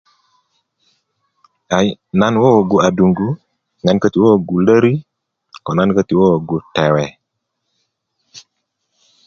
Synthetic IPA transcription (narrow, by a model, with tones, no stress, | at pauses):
a˨jna˦nwo˦˨ɡu˨a˨du˨ŋɡu˦ | ŋa˦nkə˦t̪i˨wo˦˨ɡu˨lə˦ɾi˦ | kɔ˨na˦nkə˦ti˨wo˦˨ɡu˨tɛ˨wɛ˨